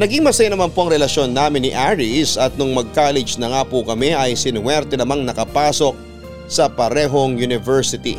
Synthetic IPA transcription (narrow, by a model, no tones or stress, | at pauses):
nɐɡiŋmɐsɐjanɐmanpoʔɐŋɾɛlɐʃjo̞nːaːmɪnːɪʔaɹɪsɐt̪̚nʊŋmɐɡ̚kaːlɛd͡ʒnɐŋaːpʊkɐmɛʔɐjsɪnwɛɾt̪ɛnɐmaŋnɐkɐpaːso̞k̚ | sɐpɐɾɛːɦo̞ŋjʊnɪvɛɹsɪt̪ḭ